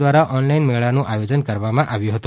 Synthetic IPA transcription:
ʋaɾaʔɔnlainmeɭanũʔajod͡ʒənkəɾʋamãʔaʋjũɦət̪ũ

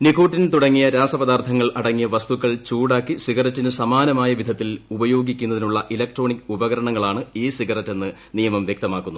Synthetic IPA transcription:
nikuːʈːint̪uɽɐŋːijɐɾaːsɐpɐd̪aːrt̪ʰɐŋːɐɭɐɽɐŋːijɐʋɐst̪ukːɐɭt͡ɕuːɽaːkːisiɣɐrɐtːinɨsɐmaːnɐmaːjɐʋid̪ʱɐt̪ːilubɐjo̞ːɡikʲːunːɐðinuɭːɐʔilɐk̚ʈro̞ːɳikːubɐɣɐɾɐɳɐŋːɐɭaːɳɨiːsiɡɐrɐtːe̞nːɨ | nijɐmɐmʋjek̚t̪ɐmaːkːunːu

